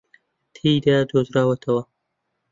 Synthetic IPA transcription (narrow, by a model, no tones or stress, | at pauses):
t̪ʰejd̪ɐd̪ozɾaːwɐt̪ʰɐwɐ